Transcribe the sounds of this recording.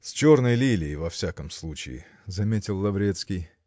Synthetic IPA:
sʲt͡ɕornəjlʲilʲɪːvɐfsʲakəmslˠut͡ɕɪ̰ɪ̰ | zɐmʲetʲɪlˠːɐvɾʲet̪skʲɪj

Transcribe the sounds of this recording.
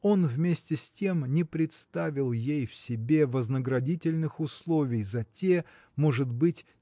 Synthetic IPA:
o̞nvmʲesʲtʲɪsʲtʲe̞mnʲɪpɾʲɪt̪st̪avʲɪlˠjejfsʲɪbʲe̞vəznəɡɾɐdʲitʲɪlʲnɨxʊslˠo̞vʲɪjzɐtʲe | mo̞ʐɨt̪bɨtʲ

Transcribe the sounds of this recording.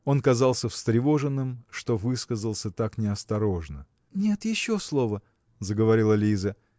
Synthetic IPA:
o̞nkɐzɑlˠsʲəfst̪ɾʲɪvo̞ʐɨnːɨmʂt̪o̞vɨskəzəlˠsʲət̪aknʲɪɐst̪ɐɾo̞ʐnə | nʲe̞t̪jɪɕːo̞slˠo̞və | zəɡəvɐɾʲilˠəlʲizə

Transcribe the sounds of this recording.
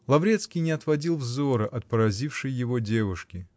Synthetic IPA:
lˠɐvɾʲet̪skʲijnʲɪɐt̪vɐdʲilˠvzoɾəʔɐt̪̚pəɾɐzʲifʂɨjːɪvodʲevʊʂkʲɪ

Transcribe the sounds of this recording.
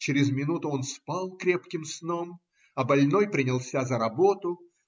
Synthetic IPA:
t͡ɕɪɾʲɪzmʲɪnut̪ʊonspalˠkɾʲepkʲɪmsno̞m | ɐbɐlʲno̞jpɾʲɪnʲɪlˠsʲazəɾɐbo̞t̪ʊ

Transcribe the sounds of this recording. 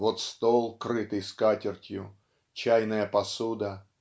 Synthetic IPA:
vot̪st̪olˠkɾɨt̪ɨjskatʲɪrtʲjʊ | t͡ɕæjnəjəpɐsud̪ə

